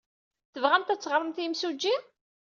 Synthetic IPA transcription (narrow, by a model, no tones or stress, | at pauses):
θəvʁænt̪æt͡sːʁəɾˤəmθjmsud͡ʒːi